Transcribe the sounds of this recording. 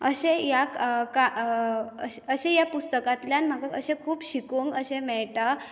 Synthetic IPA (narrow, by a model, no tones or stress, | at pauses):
əɕẽjakka | əəɕejapust̪əkat̪ljanm̤aɡaəɕẽkʰuːbɕikuŋkəɕẽmɛɭʈa